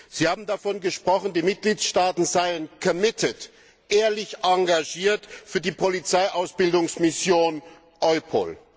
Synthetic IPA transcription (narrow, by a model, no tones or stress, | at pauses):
z̥iːhaːbm̩dafɔnɡəʃpʁ̥ɔχn̩diːmɪt̚ɡ̥liːtʃtaːtn̩zaɪənkʰɔmɪtʰət | ʔeːɐlɪçʔaŋɡaʒiːɐtfyːɐdiːpʰɔlit͡saɪʔaʊsb̥ɪldʊŋsmɪsjoːn | ʔɔʏpʰo̰ːl